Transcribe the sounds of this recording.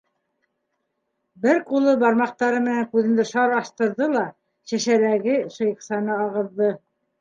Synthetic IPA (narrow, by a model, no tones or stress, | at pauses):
bɘɾqulˠɤbɑɾmɑq̚t̪ɑɾɤmɘ̆næŋkʉðɘ̆nd̪ɘʃɑɾɑʃt̪ɤ̆ɾðɤlˠɑ | ɕæ̆ʃæɾæɡɘʃɤ̆jɤ̆qsɑnɤɑʁɤ̆ðːɤ